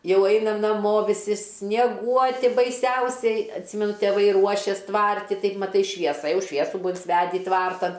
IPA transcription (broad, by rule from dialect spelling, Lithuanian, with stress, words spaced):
ˈjɛʊ ˈɐɪnɐm nɐˈmoː ʋʲɪˈsʲɪ sʲnʲiɛˈɡuɔtʲɪ bɐɪˈsʲɛʊsʲɛɪ ɐtʲˈsʲiːmʲɛnʊ tʲɛˈʋɐɪ ˈruɔʃʲɛs ˈtʋɐrʲtʲɪ ˈtɐɪp mɐˈtɐɪ ʃʲʋʲiɛˈsɐ ˈjɛʊ ˈʃʲʋʲiɛsʊ ˈbʊɐ ɪnʲsʲɪˈʋʲæːdʲɪ ˈtʋɐrtɐn